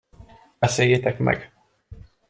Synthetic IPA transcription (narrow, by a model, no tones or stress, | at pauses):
bɛseːjet̪ɛkmɛ̰ɡ